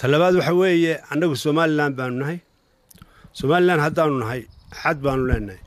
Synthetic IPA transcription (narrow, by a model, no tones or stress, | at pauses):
t̪ʰɐlɐβaːd̪wɑħɑwɛːjɛɐnːɐɣʊsɔːmaːlɪlaːnd̪̚baːnʊnɐɦɐj | sɔːmaːlɪlaːnd̪ɦɐd̪aːnʊnɐɦɐjħɑd̪̚baːnʊlɛːnːɐj